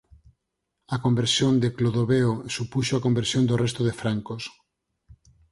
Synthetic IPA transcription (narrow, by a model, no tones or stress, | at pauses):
ɐkombeɾsjond̪ekloðoβeosupuʃoakombeɾsjond̪orest̪oðefɾaŋkos